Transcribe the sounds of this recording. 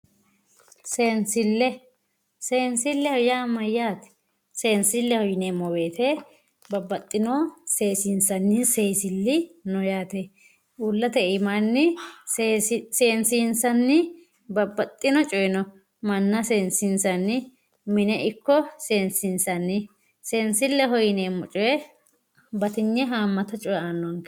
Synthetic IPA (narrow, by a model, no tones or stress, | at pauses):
seːnsɪlːɛ | se̞ːnsɪlːɛhɔjaːmɐjːaːt̪ɛ̥ | se̞ːnsɪlːɛhɔjɪnemɔbeːt̪ʰɛ | bɐbːɐt̪ʼːɪnɔseːsɪnsɐnːɪse̞ːsɪlːɪnɔjaːt̪e | ʊlːɐt̪ɛɪmanːɪ | sse̞ːnsiːnsɐnːɪ | bɐbːɐt̪ʼːɪnɔt͡ʃʼɔjɪnɔ | mɐnːɐseːnsɪnsɐnːɪ | mɪnɛʔɪkːɔse̞ːnsɪnsɐnːɪ | seːnsɪlːɛɦɔjɪneːmɔt͡ʃʼɔjɛ | bɐt̪ɪɲːɛɦaːmːɐt̪ɐt͡ʃʼɔjanːɔŋkɛ